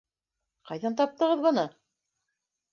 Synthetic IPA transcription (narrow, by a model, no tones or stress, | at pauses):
qɑjðɑnt̪ɑp̚t̪ɤ̆ʁɤðbɤ̆nɤ